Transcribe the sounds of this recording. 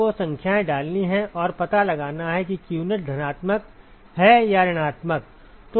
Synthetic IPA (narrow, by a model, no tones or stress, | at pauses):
osɐ̃ŋkʰjaẽɖaːlniɦɛ̃ʔɔːɾpɐt̪alɐɡaːnaɦɛk̬ikjuːnəʈ̚d̪ʱɐnaːt̪mək̚ | ɦɛjaɾɪɽ̃aːt̪mək̚ | t̪o